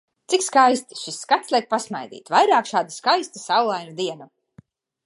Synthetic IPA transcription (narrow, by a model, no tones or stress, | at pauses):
t̪sikskajst̪i̥ʃisːkat̪slʲˠɛjk̚pasmajd̪ḭːt̪vajɾaːkʃaːd̪askajst̪asawlˠajnud̪iɛnu